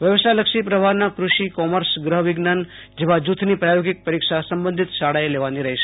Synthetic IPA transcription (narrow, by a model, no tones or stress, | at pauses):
ʋjəʋsaləkʃipɾəʋʱaɾnakɾuʃikɔməɾsɡɾəɦʋɪɡnan | d͡ʒeʋad͡ʒut̪ʰnipɾajoɡɪk̚pəɾikʃasəmbə̃nd̪ʱit̪ʃaɽaeleʋaniɾəɦeʃe̥